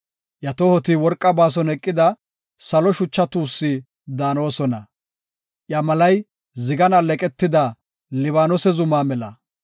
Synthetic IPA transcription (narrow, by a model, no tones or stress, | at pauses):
ʔjɐt̪ɔhɔt̪ɪwɔɾkʼːɐbaːs̬ɔnɛkʼːɪd̪ɐ | sɐlɔʃʊt͡ʃːɐt̪uːsːi | d̪aːno̞ːsɔnɐ | ʔjɐmɐlɐj | zɪɡɐnɐlɛkʼɛt̪ːɪd̪ɐ | lɪβaːnɔsɛzʊmaːmɛlɐ